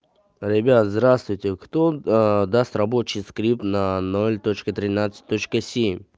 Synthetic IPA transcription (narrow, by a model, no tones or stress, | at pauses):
ɾʲɪbʲat̪zd̪ɾast̪vʊjtʲɪkt̪od̪ast̪rɐbot͡ɕɪjskɾʲip̚t̪nɐnolʲt̪ot͡ɕkət̪ɾʲɪnat̪sɨ̥t̪̚ʲt̪ːot͡ɕkəsʲemʲ